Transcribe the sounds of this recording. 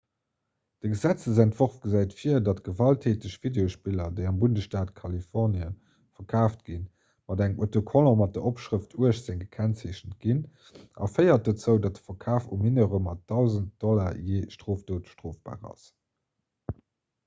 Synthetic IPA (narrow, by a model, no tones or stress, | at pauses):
d̥əɡəzæt͡səzæntv̥oʁfɡ̥əzæɪtfiɐdɑtɡ̥əvɑltʰeːtəɕvideoʃpilɐdəɪɑmbundəsʃtaːtkʰɑlifɔʁniə | fɐkʰaːftɡ̥in | mɑdæŋmʔotokʰolomɑt̚d̥əʔopʃʁəftʰuəʃz̥eŋɡəkʰænseːɕəntɡ̥in | ʔɑ̰fəɪɐt̚dət͡səʊdɑt̚ə̥fɐkʰaːfuminəʁəmɑt̚d̥ɑʊzənt̚d̥ɔlajeːʃtʁ̥oːftoːtʃtʁoːfb̥a̰ːʁɑ̰s